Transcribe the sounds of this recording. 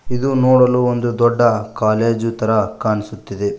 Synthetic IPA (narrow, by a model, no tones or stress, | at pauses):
id̪unoːɽɐluond̪ud̪ɔɖːɐkaːleːd͡ʒut̪ɐɾɐkaːnisut̪ːid̪e